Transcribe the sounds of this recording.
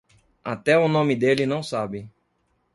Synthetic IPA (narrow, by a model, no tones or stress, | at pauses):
at̪ɛʊnõmɪd̪elɪnɐ̃w̃sabɪ